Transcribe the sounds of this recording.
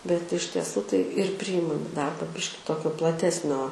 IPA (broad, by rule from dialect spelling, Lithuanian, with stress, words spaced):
bʲɛt ɪʃ tʲiɛˈsuː tɐɪ ɪr ˈpʲrʲiːjɪmɐm ɪ ˈdɐrbɐ ˈbʲɪʃʲkʲɪ ˈtoːkʲoː plˠɐˈtʲæːsʲnʲoː